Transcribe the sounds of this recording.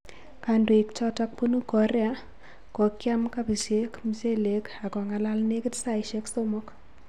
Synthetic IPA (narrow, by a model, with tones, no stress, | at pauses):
ka˨ndo˨i˨kt͡ʃɔ˦ta˦k̚pu˦nu˦kɔ˨ɾɛ˦a˦ | kɔ˨kja˦mka˦pi˨se˦kmi˨se˦le˨ka˨kɔ˨ŋa˨la˦lne˦kɪ˦tsa˦˨i˨ʃe˦kso˦mo˦k